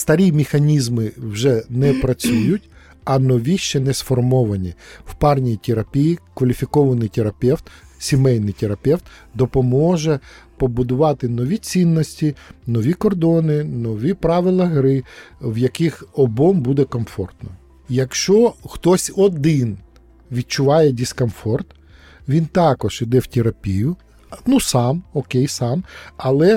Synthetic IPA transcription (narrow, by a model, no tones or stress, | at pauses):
st̪ɐɾʲimʲɪxɐnʲizmɪwʒɛnɛpɾɐt͡sʲujʊtʲ | ɐnɔʋʲiʃt͡ʃɛnɛsfɔrmɔʋɐnʲiwpɑrnʲijit̪ʲeɾɐpʲijikʋɐlʲifʲikɔʋɐnɪjt̪ʲeɾɐpʲɛwt̪sʲimɛjnɪjt̪eɾɐpɛwt̪d̪ɔpɔmɔʒɛ | pɔbʊd̪ʊʋɑt̪ɪnɔʋʲit͡sʲinːɔsʲtʲinɔʋʲikɔrd̪ɔnɪnɔʋʲipɾɑʋɪlˠɐɦɾɪwjɐkɪxɔbɔmbud̪ɛkɔmfɔrt̪nɔ | jɐkʃt͡ʃɔxt̪ɔsʲɔd̪ɪn | ʋʲid̪̚t͡ʃʊʋɑjɛdʲɪskɔmfɔrt̪ | ʋʲint̪ɑkɔʒid̪ɛwt̪ʲeɾɐpʲijʊ | nusɑmɔkejsɑmɐlˠɛ